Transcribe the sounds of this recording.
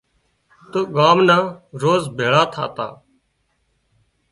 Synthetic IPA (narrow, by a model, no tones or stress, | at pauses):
t̪oɠaːmnãːɾoːzbʱeːɭaːt̪ʰa̰ːt̪a̰ː